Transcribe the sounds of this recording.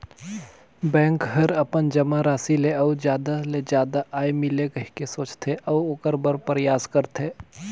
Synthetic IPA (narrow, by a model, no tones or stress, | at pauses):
bɛ̃ːŋkɦɐɾɐpənd͡ʒɐmaɾaːsileɔwd͡ʒjaːd̪aled͡ʒjaːd̪aʔaːemɪlekɐɦkesoːt͡ʃt̪ʰeʔɔʋʊkəɾbəɾpəɾjaːskəɾt̪ʰeː